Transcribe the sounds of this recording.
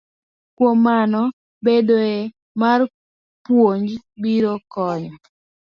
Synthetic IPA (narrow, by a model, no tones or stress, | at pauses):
kwomːanɔ | bedoe | mar | pwoɲd͡ʒbiɾokɔɲɔ